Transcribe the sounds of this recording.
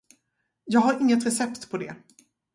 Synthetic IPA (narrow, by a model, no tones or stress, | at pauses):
jɑːɡɦaɾɪŋːət̪ɾɛsɛpt̪pʰɔd̪ɛ̰